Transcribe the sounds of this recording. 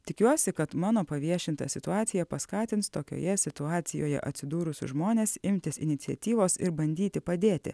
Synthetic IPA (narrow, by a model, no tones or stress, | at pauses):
t̪ʲɪkʲuɔsʲɪkɐt̪mɑːnoːpɐʋʲiɛʃʲɪnt̪ɐ̰sʲɪt̪ʊɑːt̪sʲɪjɛpɐskɑːt̪ʲɪnt̪st̪oːkʲo̰ːjɛsʲɪt̪ʊɑːt̪sʲɪjo̰ːjɛ̰ʔɐt̪ʲsʲɪd̪uːɾʊsʲʊ̰ʒmoːnʲeːsɪmʲt̪ʲɪsɪ̰nʲɪt̪sʲɪɛt̪ʲiːʋoːsɪɾbɐnʲd̪ʲiːt̪ʲɪpɐd̪ʲeːt̪ʲɪ̰